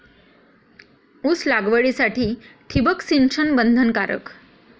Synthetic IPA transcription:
uslaɡʋəɭisaʈiːʈʰibəksinʂənbənd̪ʱənkaɾə̰k

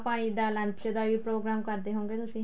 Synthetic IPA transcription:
paːɽ̃iːd̪aːlə̃nt̪ʰjəd̪aːʋiːpɾoːɡɾaːmkəɾd̪eːɦõːŋɡeːt̪ʊsĩː

